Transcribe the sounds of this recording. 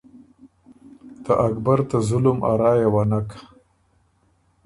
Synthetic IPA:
t̪aʔakbaɾt̪azʊlʊmʔa̰ɾɑːjawanak

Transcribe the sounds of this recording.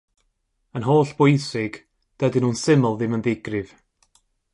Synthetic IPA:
ənɦoːɬb̥ʊjsɪɡ̥ | d̥ədɪnuːnsɪməlˠðɪməndɪɡrɨv̥

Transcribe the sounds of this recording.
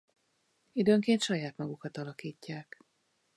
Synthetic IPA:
id̪øːŋkeːnt̪ʃɒjaːt̪mɒɡukɒt̪ɒlɒkiːcːaːk

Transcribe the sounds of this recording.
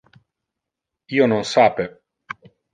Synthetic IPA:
iːononsaːpe

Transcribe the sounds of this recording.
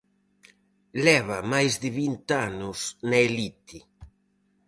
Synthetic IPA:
lɛβɐmajzd̪ɪβint̪anʊsnaelit̪i

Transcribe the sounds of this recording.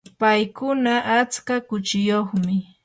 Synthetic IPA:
pajkʊnaʔat͡skakʊt͡ʃɪjoχmɪ

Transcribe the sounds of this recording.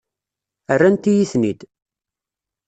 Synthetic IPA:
ərːænt̪ijiθnid̪

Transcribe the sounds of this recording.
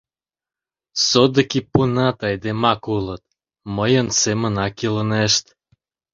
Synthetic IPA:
sod̪əkipunɑt̪ɑjd̪emɑkulət̪̚ | məjənsemənɑkiləneʃt̪

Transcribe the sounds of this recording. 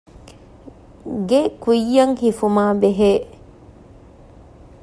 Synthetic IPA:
ɡekujːɐŋhifumaːbeɦe

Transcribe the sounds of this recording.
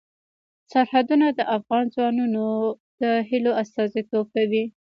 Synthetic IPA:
saɾhad̪unad̪əʔafɣɑnzwɑnuno | d̪̥əɦiloast̪ɑzit̪ob̚kad̪i

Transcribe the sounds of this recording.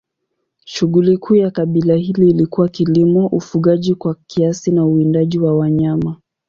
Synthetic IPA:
ʃuɠulikʰuːjakaɓilahiliːlikuwakilimɔʔufuɠaʄikwakʰiasinauindaʄiwawaɲama

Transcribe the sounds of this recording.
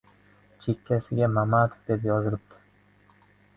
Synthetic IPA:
t͡ʃʰekʲːæsɪɡʲæmamat̪d̪epjɒzɯɾɯp̚t̪ʰɯ̥

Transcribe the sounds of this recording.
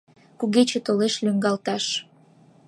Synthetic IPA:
kuɣet͡ɕet̪oleʃlyŋɡɑlt̪ɑʃ

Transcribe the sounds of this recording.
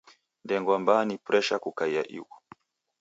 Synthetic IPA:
ndɛŋɡwambanipɾɛʃakukaia̰ʔḭwɔ

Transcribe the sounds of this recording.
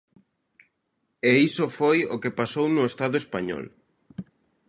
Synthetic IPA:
eisofojokepasownʊest̪aðʊespaɲɔ̰l

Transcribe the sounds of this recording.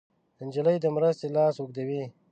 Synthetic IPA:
ənʲd͡ʒələjd̪əmɾast̪elɑːsukd̪awi

